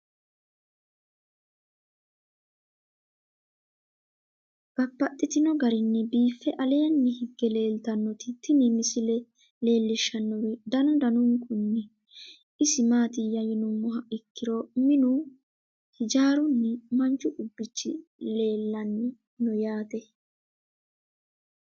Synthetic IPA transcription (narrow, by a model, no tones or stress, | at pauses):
ɡ̥ɐpːɐt̪ʼːɪt̪ɪnɔɡɐɾɪnːɛbiːfːɛʔɐleːnːɛhɪɡːɛle̞ːlt̪ɐnːɔt̪ɪt̪ɪnɪmɪsɪlɛ | le̞ːlːɪʃːɐnːɔwɛd̪ɐnʊd̪ɐnʊŋkʊnːɛ | ɪsɪmaːt̪ɪjɐjɛnʊmːɔɦɐɪkːɪɾɔmɪnʊ | hɪd͡ʒaːɾʊnːɛmɐnt͡ʃːʊʔʊbːɪt͡ʃːɪ̰le̞ːlːɐnːɛ | nɔjaːt̪ɛ